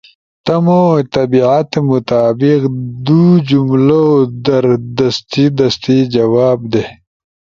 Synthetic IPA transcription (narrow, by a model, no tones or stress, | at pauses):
t̪ɐmot̪ɐbiʕat̪mʊt̪aːbiqd̪ud͡ʒumlood̪ɐɾd̪ɐst̪id̪ɐst̪id͡ʒɐwaːb̚d̪e